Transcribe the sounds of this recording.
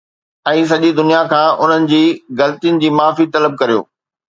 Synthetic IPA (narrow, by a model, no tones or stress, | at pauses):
ɛ̃ːs̬ɐʄid̪ʊnijakʰãːʔʊn̤ənɪ̆d͡ʑiːɣɐlət̪ijənɪ̆d͡ʑiːmaːfit̪ɐləb̚kɐɾijo̰ː